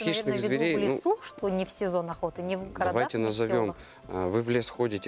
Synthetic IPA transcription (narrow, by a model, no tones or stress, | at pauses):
xʲiʃnɨxzvʲɪɾʲejlʲɪnusuʂt̪onʲɪfsʲɪzo̞nɐxot̪ɨnʲɪvɡɾɐɐvajtʲɪnəzɐvʲo̞m | vɨvlʲesxo̞dʲɪtʲɪ